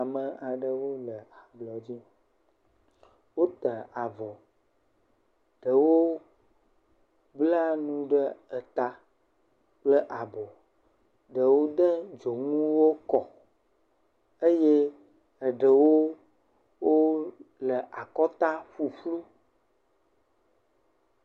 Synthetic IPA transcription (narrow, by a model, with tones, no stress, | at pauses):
a˨mə̃˨a˨ɖə˦wo˦lə˨a˨blɔ˨d͡ʑi˦ | wo˦t̪ə˨a˨vɔ˨ | ɖ̥ə˨wo˦ | bla˦nũ˦ɖə˦ə˨t̪a˨ | k͡plə˦ʔa˨bɔ˨ | ɖə˨wo˦d̪ə˦d͡ʒo˨ŋũ˦wo˦kɔ˨ | ə˦je˦ | ə˨ɖə˨wo˦ | wo˦lə˨ʔa˨kɔ˦t̪a˦ɸu˦ɸlu˦